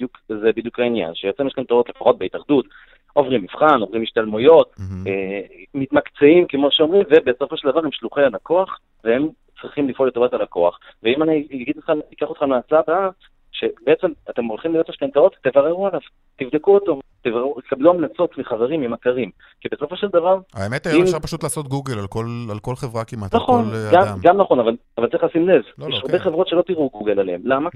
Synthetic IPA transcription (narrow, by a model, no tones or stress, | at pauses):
bid̪jukzebid̪jukainja̰nʃejet͡semjeʃkant̪aot̪lefaχo̞t̪̚be̞it̪aχd̪ut̪ | o̞vʁimːifχano̞vʁimiʃt̪almujo̞t̚emit̪makt͡seimkemoʃeo̞mʁimvebeso̞foʃeld̪avaʁemʃluχealako̞aχ | vehe̞m | t͡sʁiχimlifʔolːet̪oatalako̞a̰χ | veimaniaɡid̪ot̪χanikaχotχanmaat͡sabea | ʃe̞beet͡se̞mat̪e̞mo̞lχimlioseʃkantao̞t̪ːevaʁe̞ʁualav | t̪ivd̪e̞kuot̪ot̪evaʁeut̪ekabluamnat͡so̞tmiχaveʁimimakaʁim | kibe̞so̞fo̞ʃe̞ld̪avaʁa̰emet̪aimʃaʁpaʃut̪laːsot̪̚ɡuɡelalkolalkolχevʁakimat̪naχonɡammɡamnaχo̞navalavaltt͡siχlasimnevjeʃaʁbeχevʁo̞t̪ʃe̞lo̞t̪iʁuɡuɡelalehemlama